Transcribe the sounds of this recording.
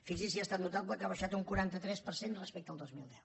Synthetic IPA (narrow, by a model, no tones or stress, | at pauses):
fiɡsisiast̪at̪nut̪abləkaβəʃat̪uŋkuɾant̪ət̪ɾɛspəɾsenrəspek̚t̪əlˠd̪ozmilˠd̪ɛw